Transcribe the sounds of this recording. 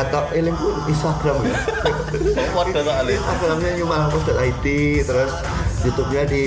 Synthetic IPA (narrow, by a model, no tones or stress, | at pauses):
at̪aʔelɪŋkuinst̪aɡ̥ɾam | pɔtalist̪aɡɾamɲaɲumalaŋpɔsd̥at̪ait̪it̪əɾʊs | d͡ʒut̪up̚ɲadi